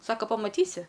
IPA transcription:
ˈsɑːkɐ pɐmɐˈtʲiːsʲɪ

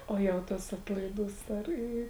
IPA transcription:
ˈoː jɛʊ ˈtɐs ˈɑːtlˠɐɪˌduːs ˈɐr ˈiː

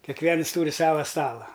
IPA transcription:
kʲɛˈkʋʲiɛns ˈtuːrʲɪ ˈsɑːʋɐ ˈstɑːlˠɐ

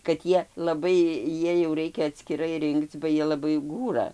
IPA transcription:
kɐt ˈjiɛ lˠɐˈbɐɪ ˈjiɛj jɛʊ ˈrɐɪkʲɛ ɐtʲsʲkʲɪˈrɐɪ ˈrʲɪŋkt͡s bɐ ˈjiɛ lˠɐˈbɐɪ ˈɡuːrɐ

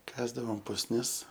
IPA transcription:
ˈkɑːzdɐʋoːm pʊsʲˈnʲɪs

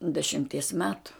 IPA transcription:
dʲɛʃʲɪmʲˈtʲiɛs ˈmʲæːtʊ

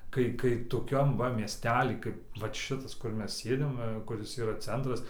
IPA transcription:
ˈkɐɪ ˈkɐɪ ˈtoːkʲɛm ˈʋɐ mʲiɛsʲˈtʲæːlʲiː ˈkɐɪp ʋɐt ˈʃʲɪtɐs kʊr ˈmʲɛs ˈsʲeːdʲɪm ˈʋɐ ˈkʊrʲɪs ˈiːrɐ ˈt͡sʲɛntrɐs

